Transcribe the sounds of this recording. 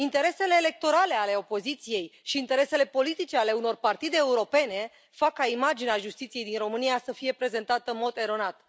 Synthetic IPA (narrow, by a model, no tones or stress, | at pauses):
int̪e̞ɾe̞se̞le̞ːle̞k̚t̪o̞ɾale̞ale̞o̞po̞zit̪sije̞jʃiːnt̪e̞ɾe̞se̞le̞po̞lit̪it͡ʃe̞ale̞uno̞rpart̪id̪e̞ːuɾo̞pe̞ne̞ | fakːaimad͡ʒineaʒust̪it̪sije̞jd̪inro̞mɨnijasəfije̞pɾe̞ze̞nt̪at̪əɨnmo̞d̪e̞ɾo̞nat̪